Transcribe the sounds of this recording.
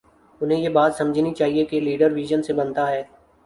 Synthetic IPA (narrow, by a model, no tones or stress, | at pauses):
ʊnɦẽjebaːt̪sɐmd͡ʒʱnit͡ʃaːɦiekeliːɖəɾʋiːʒənsebɐnt̪aɦɛː